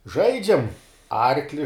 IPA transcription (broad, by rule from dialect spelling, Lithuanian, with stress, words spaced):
ˈʒɐɪd͡ʒʲɛm ˈɐrklʲɪ